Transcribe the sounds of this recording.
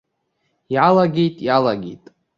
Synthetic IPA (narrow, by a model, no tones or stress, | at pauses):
jalaɡʲejtʼjalaɡʲḛjtʼ